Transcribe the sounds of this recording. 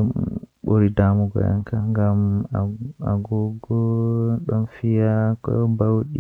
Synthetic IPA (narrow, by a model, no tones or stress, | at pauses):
ɗɔmɓoɾidamuɡɔ̰ja̰ŋkaŋɡamaa̰ɡɔɡɔɗɔnfijakɔbawɗi